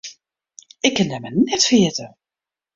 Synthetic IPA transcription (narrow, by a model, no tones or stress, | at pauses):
ɪkːɪndɛmənɛtfiɪtə